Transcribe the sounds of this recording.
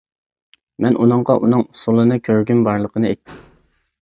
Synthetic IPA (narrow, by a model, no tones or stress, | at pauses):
mɛnʔunɨɴʁɑʔunɨŋsulˠɨnɨkʲʰøɾɡʲymbɑɾlˠəqʰənɨɛ̰jt̪ʰːɪm